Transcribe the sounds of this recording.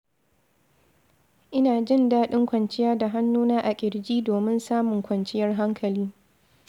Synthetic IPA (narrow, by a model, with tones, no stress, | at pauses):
ʔɪ˦naː˨d͡ʒɪ˦˨ndaː˦ɗɪ˦ŋkʷɐ˨nt͡ʃɪ˦jaː˦da˨ɦa˦nːuː˦naː˦ʔa˨kʲʼɪ˨ɽd͡ʒiː˦doː˨mɪ˦nsaː˦mʊ˨ŋkʷɐ˨nt͡ʃɪ˦jɐ˦rɦa˦ŋkʰɐ˨liː˦